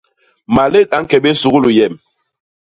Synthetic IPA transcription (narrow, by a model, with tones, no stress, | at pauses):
ma˨le˦˨k̚a˨˦ŋ̩˦kɛ˨ɓe˦su˨ɣu˦lu˨jɛ˨m